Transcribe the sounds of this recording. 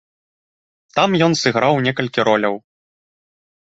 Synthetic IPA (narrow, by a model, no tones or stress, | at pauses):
t̪amjɔnsɨɣɾawnʲɛkɐlʲkʲiɾɔlʲɐw